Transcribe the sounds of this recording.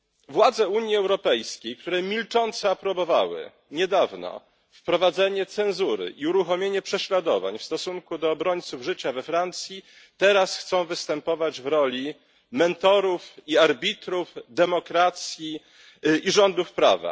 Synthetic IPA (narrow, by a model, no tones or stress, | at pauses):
vwad̪zɛuɲjiɛwɾɔpɛjskʲejk̚t̪uɾɛmʲilt͡ʂɔnt̪sɛapɾɔbɔva̰wɘ̰ | ɲɛd̪avnɔ̰ | fpɾɔvad̪zɛɲɛt̪sɛnzuɾɘ̰ʔiuɾuxɔmʲjeɲɛpʂɛɕlad̪ɔva̰ɲfst̪ɔsuŋkud̪ɔːbɾɔɲt̪suvʐɘt͡ɕavɛfɾant̪sʲji | t̪ɛɾasxt̪sɔ̃w̃vɘst̪ɛmpɔvad͡ʑvɾɔlʲi | mɛnt̪ɔɾufiaɾbʲit̪ɾufd̪ɛmɔkɾat̪sʲji | iʐɔnd̪ufpɾa̰va̰